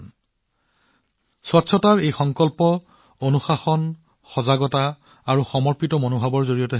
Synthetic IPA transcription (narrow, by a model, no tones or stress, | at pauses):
sɔtsʰɔtaɹejxɔŋkɔlpɔ | onuxaxɔn | xɔzaɡɔta | aɹuxɔmɔɹpitɔmonobʱabɔɹzoɹijɔtɛ